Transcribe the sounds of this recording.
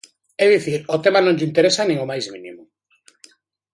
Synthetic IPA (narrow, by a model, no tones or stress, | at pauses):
ɛðiθiɾot̪emanõŋʎint̪eɾesanẽŋomajzminḭmʊ